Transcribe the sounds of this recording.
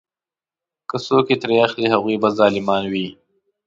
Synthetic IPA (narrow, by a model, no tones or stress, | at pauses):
kəsoːket̪ɾeaxliɦaɣwiːbazɑːlɪmɑːnwiː